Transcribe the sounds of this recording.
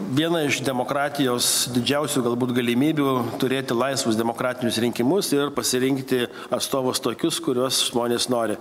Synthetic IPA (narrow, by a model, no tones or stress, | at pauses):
ʋʲiɛnɐɪʃd̪ʲɛmoːkɾɑːt̪ʲɪjoːsd̪ʲɪd͡ʒʲɛʊsʲuːɡɐlˠbuːt̪ɡɐlʲɪmʲiːbʲuːt̪ʊɾʲeːt̪ʲɪlˠɐɪsʋʊsd̪ʲɛmoːkɾɑːt̪ʲɪnʲʊsɾʲɪŋʲkʲɪmʊsɪrpɐsʲɪɾʲɪŋkt̪ʲɪ | ɐt̪st̪oːʋʊst̪oːkʲʊskʊɾʲuɔsʒmoːnʲeːsnoːɾʲɪ